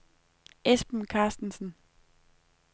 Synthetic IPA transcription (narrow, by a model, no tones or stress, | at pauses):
esb̥n̩kʰɑ̈ːsd̥n̩sn̩